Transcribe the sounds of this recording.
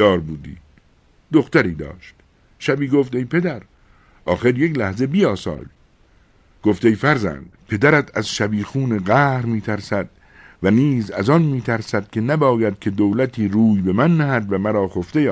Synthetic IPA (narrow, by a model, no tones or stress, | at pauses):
ɒːɾbuːd̪ḭː | d̪oxt̪æɾiːd̪ɒ̰ːʃt̪ | ʃæbiːɡoft̪ejpʰe̞d̪æɾ | ʔɒːxe̞ɾjeklæhze̞biːɒːsɒ̰ːl | ɡ̥o̞ft̪ejfæɾzæ̰nd̪pʰe̞d̪æɾæt̪ʰæzʃæbiːxuːneɣæːhɾmiːt̪ʰæɾsæd̪̚ | væniːzæ̰zɒnmiːt̪ʰæɾsæd̪̥kʲʰe̞næbɒːjæd̪̥̚kʲʰe̞d̪owlæt̪ʰiːɾuːjbe̞mænːæhæd̪væmæɾɒːxoft̪ejː